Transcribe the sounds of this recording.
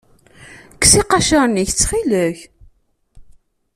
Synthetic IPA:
kːsiqɑʃəɾˤniçt͡sːχiləç

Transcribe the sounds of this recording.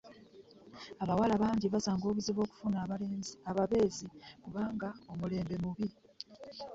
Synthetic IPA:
aβawalaβaːɲɟiβazaːŋɡo̞ːβuziβo̞ːku̥funaaβaβe̞ːzikuβaːŋɡao̞mule̞ːmbe̞muβi

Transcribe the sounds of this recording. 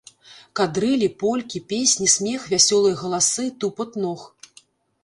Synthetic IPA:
kad̪ɾɨlʲipɔlʲkʲipʲesʲnʲisʲmʲɛxvʲasʲɔlˠɐjɐɣɐlˠasɨt̪upɐt̪nɔx

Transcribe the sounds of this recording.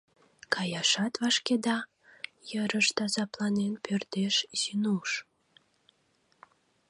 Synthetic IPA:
kʰɑjɑʃɑt̪vɑʃked̪ɑ | jəɾəʃt̪ɑzɑplɑnenpørt̪eʃsinuʃ

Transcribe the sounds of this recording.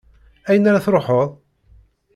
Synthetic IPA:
æjənaɾaθɾoħoðˤ

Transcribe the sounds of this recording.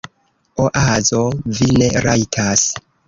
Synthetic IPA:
oʔazo̞vine̞ɾajtʰas

